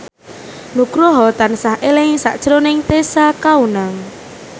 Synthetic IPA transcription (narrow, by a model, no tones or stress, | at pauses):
nuɡ̥ɾɔɦɔt̪ansahʔelɪŋsa̰ʔd̥ʒ̥ɾonɪŋt̪esakaunaŋ